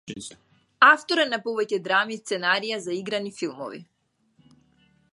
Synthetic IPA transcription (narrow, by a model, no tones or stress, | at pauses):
aft̪oɾɛnapɔvɛcɛd̪ɾamist̪sɛnaɾijazaiɡɾanifilˠmɔ̰vḭ